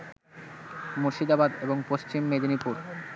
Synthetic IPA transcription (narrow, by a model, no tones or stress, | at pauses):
moɾʃid̪abad̪eboŋpoʃt͡ɕimːed̪onipuɾ